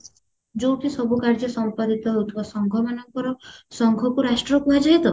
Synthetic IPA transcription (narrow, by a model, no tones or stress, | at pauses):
d͡ʒowt̪ʰisɔbukaɾd͡ʒɔsɔmpad̪it̪ɔɦeɦut̪ʰibasɔŋɡʱɔmanɔŋkɔɾɔsɔŋɡʱɔkuɾasʈɾɔpuɦad͡ʒaɦjt̪ʰɔ